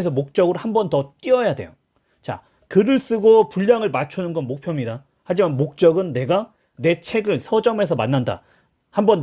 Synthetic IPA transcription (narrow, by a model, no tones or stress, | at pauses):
esʰʌmok̚t͡ɕ͈ʌɡɯɾohambʌntʌt͈iʌjadwe̞jo | t͡ɕa̰ | kɯɾɯɭs͈ɯɡopuʎːjaŋɯɭmat͡ɕʰunɯnɡʌnmok̚pʰjʌmɲida | had͡ʑimanmok̚t͡ɕ͈ʌɡɯnːe̞ɡa | ne̞t͡ɕʰe̞ɡɯɭsʰʌd͡ʑʌme̞s̬ʰʌmanːanda̰ | hambʌn